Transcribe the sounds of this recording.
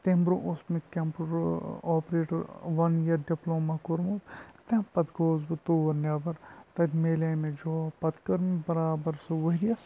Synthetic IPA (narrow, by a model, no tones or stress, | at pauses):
t̪embɾõʔʊsmẽkempɾɔːpɾeːʈɐɾʋɐnjɐɾɖiploːmakoɾmot̪t̪ẽpɐt̪ɡoːzbɨt̪oːɾnɐbɐɾt̪ɐd̪meːleːmẽd͡ʒoːpɐt̪kɐɾmebɐɾaːbɐɾsuʋɐɦɾijɐs